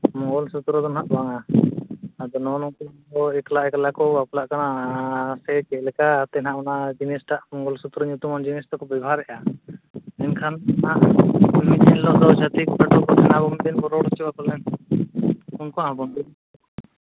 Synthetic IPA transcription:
mɔŋɡɔlsut̪ɾɔd̪ɔnɦaʔbaŋaː | d̪ɔnɔnɔŋkɔkɔɛklaʔɛkalakɔbaplaʔkanasɛt͡ʃɛʔlɛkat̪ɛnɦaʔmanad͡ʒinɛsʈaʔmɔŋɡɔlsut̪ɾɔɲut̪umand͡ʒinɛst̪ɔkɔbɛbʱaɾɛʔa | ɛnkʰanaʔmit̪ɛnlɔʔd̪ɔwd͡ʒat̪ikpaʈɔkɔɛnabɔŋd̪ɛnbɔɾɔɽst͡ʃɛbakɔlɛn | unkɔnaãbɔnd̪i

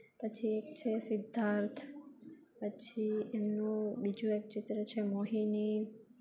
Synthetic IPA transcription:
pət͡ʃʰiekt͡ʃʰesɪd̪ʱːãɾt̪ʰ | pət͡ʃʰiemnũbid͡ʒũek̚t͡ʃit̪ɾət͡ʃʰemoɦini

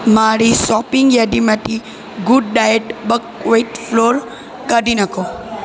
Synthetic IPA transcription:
maɾisɔpɪŋɡjaɖimat̪ʰi | ɡʊɖ̚ɖajeʈbəkʋeʈfloɾ | kəɾinəkʰo

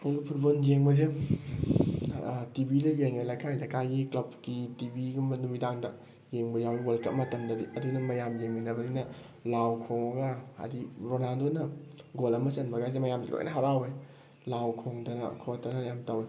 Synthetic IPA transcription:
ilupʰuɾbonjeŋbɐze | tibilɐjeŋelakʰajlakajɡiklɐp̚kitibiɡumnumidaŋdɐ | jeŋbɐjawiwolkɐp̚mɐtɐmdɐdiɐdunɐmɐjamjeŋinɐbɐninɐ | lawkʰoŋɐɡɐa̰diɾonaldonɐɡolɐmɐsɐnbɐɡazemɐjamsḭlo̰j̰nɐɦaɾawe | lawkʰoŋdɐnɐ̰kʰotʰɐnɐjamtɐwe

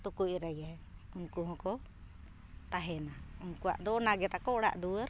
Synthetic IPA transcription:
t̪ukuc̚ɾaja | unkuɦɔ̃kɔ | t̪aɦɛnaunkuwa̰ʔd̪ɔnaɡɛt̪akɔɽa̰ʔd̪uwəɾ

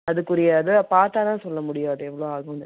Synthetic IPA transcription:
ɐðɯkːʊɾɪjaːðɯpaːɾt̪aːt̪ãːsɔlːɐmʊɽɪjaːðɯɛʋːɐɭoːaːɣɐʋɐnd̪

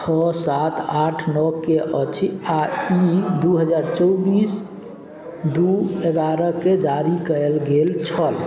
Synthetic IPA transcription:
t͡ʃʰɔsat̪ʰaʈʰnɔkeʔət͡ʃʰiaid̪uɦəd͡ʒaɾt͡ʃɔwbis | d̪ueɡ̪aɾəked͡ʒaɾikəlɡelt͡ʃʰəl

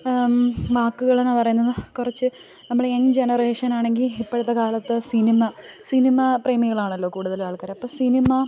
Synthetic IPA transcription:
maːkːuɣɐɭenːapɐrɐjunːɐðɨkurɐt͡ɕːɨ | nɐmːɐɭend͡ʑe̞nɐre̞ːʂɐnaːɳe̞ŋɡilipːeɽut̪ːɐkaːlɐt̪ːɨsinimɐsinimɐpreːmiɣɐɭaːɳɐlːo̞ːkuːɽuðɐlʋaːɭkɐɾɐpːoːsinimɐ

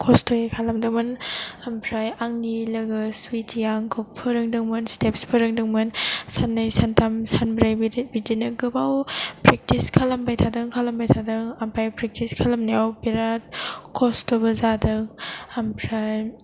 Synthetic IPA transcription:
kʰɔstʰojekʰalɐmdɯŋmɯnampʰɾajaŋnilɐɡɯswitijaŋkʰopʰɯɾɯŋdɯŋmɯnstepspʰɯɾɯŋdɯŋmɯnsanːajsantʰamsanbɾajbbidinɯɡɯbawpɾek̚tiskʰalɐmbajtʰadɯŋkʰalɐmbajtʰadɯŋampʰajpɾek̚tiskʰalɐmneawbiɾat̚kʰɔstʰobɐzadɯŋampʰɾaj

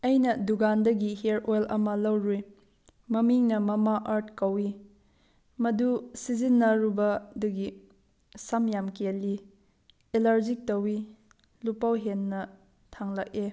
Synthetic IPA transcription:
ɐjnɐduɡandɐɡiheɾojlɐmɐlɐwɾi | mɐmiŋnɐmɐmaʔaɾt̚kɐwi | mɐdusizinːɐɾubɐdɐɡi | sɐmjamkelːi | elaɾd͡ʒik̚tɐwi | lupawɦenːɐ | tʰaŋlɐk̚e

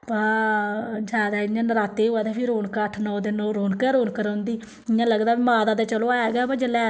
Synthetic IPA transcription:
paː | d͡ʒaːd̪aːɪãːnəɾaːt̪eːɦoːɛːt̪eːpʰɪɾoːnkaʈʰnɔːd̪ɪnõːɾoːnkəːɾoːnkəɾãːnd̪iː | ɪjãːləɡd̪aːbiːmaːd̪aːd̪eːt͡ʃəlõːaːeːɡaːbaːd͡ʒəlɛː

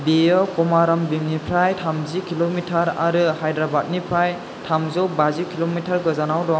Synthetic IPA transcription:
bijɔkɔmaɾɔmbimnipʰɾajtʰamzikʰilomitʰaɾa̰ɾɯhajdɾabat̚nipʰɾaj | tʰamzɔwbazikʰilomitʰaɾɡɯzanawdɔ

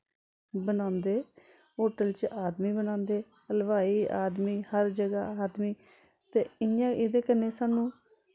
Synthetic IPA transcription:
bənãːnd̪eː | ɦoːʈəlt͡ʃaːd̪miːbənãːnd̪eː | əlʋaːiːa̰ːd̪miːhəɾd͡ʒəɡa̰ːaːd̪miː | t̪eːɪjãːɪd̪eːkənːeːsaːnũː

